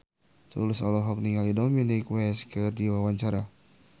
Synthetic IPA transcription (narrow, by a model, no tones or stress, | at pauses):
t̪ṵlusɔlɔɦɔk̚niŋalidominikwɛskɨrdiwawaɲt͡ʃaɾa